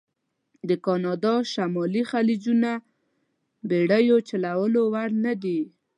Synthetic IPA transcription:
d̪əkɑnɑd̪ɑʃamɑlixalid͡ʒuna | beɽajot͡ʃalawəlowaɽnad̪i

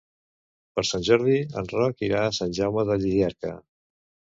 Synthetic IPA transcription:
pəɾsanʲʒɔɾð̞iə̰nrɔkiɾaːsanʲʒawməðəʎiðiaɾkə̰

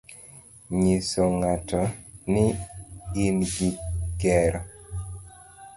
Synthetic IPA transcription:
ɲisɔŋatɔni | inɡiɡɛɾɔ

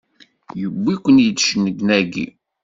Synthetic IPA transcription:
jəbːikʷːənjəd̪ʃnəɡnæɡḭ

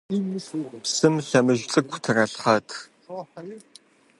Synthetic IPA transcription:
psɨmɬɐmɨʒt͡sʼɨkʷʰtʰɨrɐɬχɐtʰ

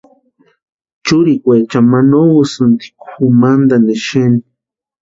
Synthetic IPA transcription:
t͡ʃʊɾikʷet͡ʃamanowusɨnt̪i̥kuxumand̪aneʃeni

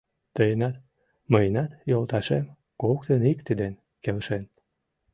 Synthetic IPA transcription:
t̪əjenɑt̪ | məjnɑt̪jolt̪ɑʃḛm | kokt̪ənikt̪id̪en | kelʃen

